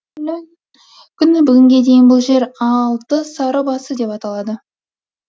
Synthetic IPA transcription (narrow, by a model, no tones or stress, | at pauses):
kʲʰʏnɪbʏɡʲɪŋɡʲe̞d̪e̞jɪnbʊlˠʒe̞ɾɑlˠt̪əsɑɾəbɑsəd̪e̞pɑt̪ɑlˠɑd̪ə